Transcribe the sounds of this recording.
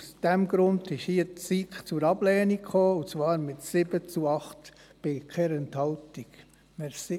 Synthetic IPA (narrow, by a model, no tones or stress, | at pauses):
usd̥ɛmɡɾʊndɪʃhiət͡sitt͡sʊɾɑb̥lɛːnikχoːut͡svɑːɾmɪtsɪbət͡suɑχt | b̥ɪkʰɛɾɛnt̪hɑltik | mɛsi